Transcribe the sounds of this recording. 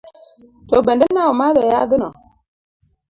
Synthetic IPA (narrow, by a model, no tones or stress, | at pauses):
tobɛdənːawumaðɛjadənɔ